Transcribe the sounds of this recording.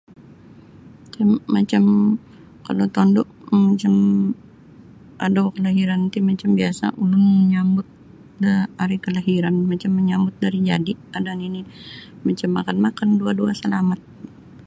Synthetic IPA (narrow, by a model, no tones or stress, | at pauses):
t̪iːat͡ʃam | kalot̪ɔndʊʔmat͡ʃam | ʔadawkəlaɦiɾant̪imat͡ʃambiasa̰ʔulʊnməɲambʊt̪̚ | dəaɾikəlaɦiɾanmat͡ʃamːəɲambʊt̪̚daɾid͡ʒa̰diadanini | mat͡ʃamːakanmakanduaduasəlamat̪̚